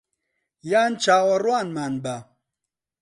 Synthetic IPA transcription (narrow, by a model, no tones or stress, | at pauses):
jaːnt͡ʃʰaːwɐrwaːnmaːnba